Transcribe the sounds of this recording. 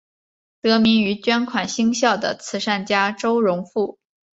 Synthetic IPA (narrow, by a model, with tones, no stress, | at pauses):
t̪ɤ˧˥mi˧˥ŋy˧˥t͡ɕɥɛ˥nkʰwa˨˩nɕi˥ŋɕjɑ˥˩ʊd̪ə̰˩t͡sʰɹ̩˧˥ʂa˥˩nt͡ɕja˥ʈ͡ʂo˥ʊɻʊ˧˥ŋfu˥˩